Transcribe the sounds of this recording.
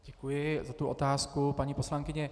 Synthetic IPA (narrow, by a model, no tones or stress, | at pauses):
ɟɛkujɪzat̪uʔot̪aːskupaɲipo̞slaŋkɪɲɛ